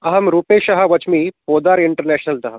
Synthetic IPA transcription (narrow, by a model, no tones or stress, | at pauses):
ɐɦɐmɾuːpeʃɐɦɐʋɐt͡ʃmiːpoːd̪aːɾiɳʈəɾnæɕnɐld̪ɐɦɐ